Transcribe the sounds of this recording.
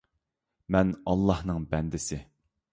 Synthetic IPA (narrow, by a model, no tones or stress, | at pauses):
mɛnɑlˠːɑhnɨŋbɛnd̪ɪsɪ